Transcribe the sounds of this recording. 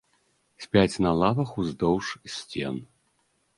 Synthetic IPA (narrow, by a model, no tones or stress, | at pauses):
sʲpʲat͡sʲnɐlˠavɐxuzd̪ɔwʂsʲt͡sʲen